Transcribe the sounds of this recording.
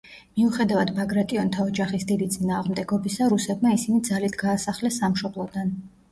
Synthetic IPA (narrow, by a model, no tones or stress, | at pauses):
miuχɛd̪avad̪baɡɾat̪ʼiɔnt̪ʰaɔd͡ʒaχisd̪id̪it̪sʼinaːʁmd̪ɛɡɔbisaɾusɛbmaisinid̪zalit̪ʰɡaːsaχlɛsːamʃɔblˠɔd̪an